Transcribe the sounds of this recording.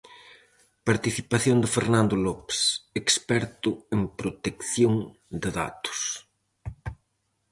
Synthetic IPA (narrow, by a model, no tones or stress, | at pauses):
paɾt̪iθipaθjond̪ɪfeɾnãnd̪ʊlɔpsekspɛɾt̪ʊempɾot̪ekθjoŋ | d̪ɪða̰t̪ʊ̥s